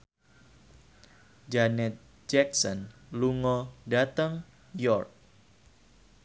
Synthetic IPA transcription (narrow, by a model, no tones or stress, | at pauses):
d͡ʒanɛt̪̚ | d͡ʒɛk̚sɔnluŋɔdat̪əŋ | jɔrt̪̚